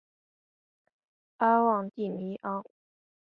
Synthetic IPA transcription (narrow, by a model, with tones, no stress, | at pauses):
a˥wɑ˥˧ŋt̪i˥˩ni˧˥ʔɑ˥ŋ